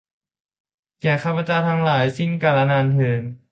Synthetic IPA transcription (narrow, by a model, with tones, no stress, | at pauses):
kɛː˨˩kʰaː˧˩pʰa˧t͡ɕaː˧t̪ʰa˧˥ŋlaː˩˦jsi˥˩nkaː˧˩la˧naː˧nhɯː˧˩˦n